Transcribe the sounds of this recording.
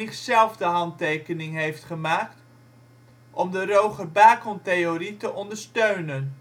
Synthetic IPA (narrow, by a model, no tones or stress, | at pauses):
ɪχsɛlˠvdəɦɑntejkənɪŋɦejftχəmaːkt | ʔɔmdərowχəbaːkɔntejoritəʔɔndəɹstøɥnən